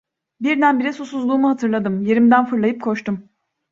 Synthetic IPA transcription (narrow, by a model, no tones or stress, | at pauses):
biɾd̪ænbiɾɛsusuzlˠuːmuɦat̪ʰɯɾlˠad̪ɯmje̞ɾimd̪ænfɯɾlˠajɯp̚kʰo̞ʃt̪ʰum